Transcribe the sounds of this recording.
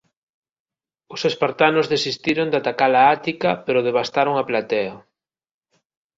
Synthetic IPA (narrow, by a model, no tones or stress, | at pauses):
ʊsespaɾt̪anʊzðesist̪iɾond̪at̪akalaat̪ikɐpeɾʊðeβast̪aɾʊŋaplat̪ɛɐ